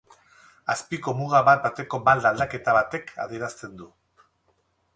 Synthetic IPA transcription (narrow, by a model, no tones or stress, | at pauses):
aspiko̞muɣaβat̪̚bat̪e̞ko̞bald̪ald̪ake̞t̪aβat̪e̞kʰa̰ðieɾast̪e̞nd̪u